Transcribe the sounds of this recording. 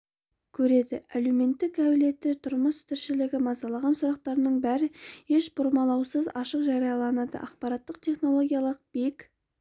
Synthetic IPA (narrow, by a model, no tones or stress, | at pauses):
kʲʰɵɾe̞d̪ɪ̰æleme̞nt̪ːɪkæwɪle̞t̪ːɪt̪ʰʊɾməst̪ʰɪɾʃɪlɪɡʲɪmɑzɑlˠɑʁɑnsʊɾɑq̚t̪ɑɾənəɴbæɾɪe̞ʃbʊɾmɑlˠɑwsəzɑʃəqʒɑɾijɑlˠɑnɑd̪ə̰ʔɑqpɑɾɑt̪ːəqt̪ʰʲe̞χno̞lˠo̞ɡʲijɑlˠəq̚b̥ek